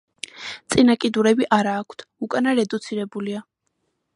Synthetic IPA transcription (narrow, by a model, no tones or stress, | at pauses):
t̪sʼinakʼid̪uɾɛbiʔaɾaːkʰt̪ʰukʼanaɾɛd̪ut̪sʰiɾɛbulia